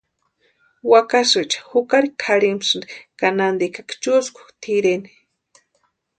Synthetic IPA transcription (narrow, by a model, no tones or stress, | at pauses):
wakasɨt͡ʃḁhukaɾikʰaɾimsɨnd̪i̥kanand̪ikakt͡ʃuskʰu̥t̪ʰiɾeni̥